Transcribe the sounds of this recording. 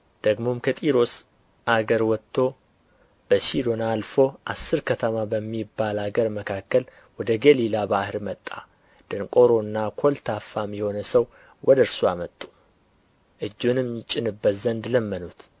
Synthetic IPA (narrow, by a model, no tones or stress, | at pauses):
d̪̥əɡmo̞mkʰət̪ʼiɾo̞s | aɡəɾwɔt̪ʰːo̞ | b̥əʃid̪o̞nalfo̞ʔasːɨɾkʰət̪ʰəmabəmːibːalaɡəɾməkʰakːəl | wɔd̪əɡəlilabahɨɾmət̪ʼːa̰ | d̪̥ɨnkʼo̞ɾo̞ɨnːakʰo̞lt̪ʰafːamjɛho̞nəsəw | wɔd̪əɾsuamət̪ʼːu̥ | ʔɨd͡ʒːunɨmjɪt͡ʃʼɪnɨbːət̪zənd̪ləmːənut̪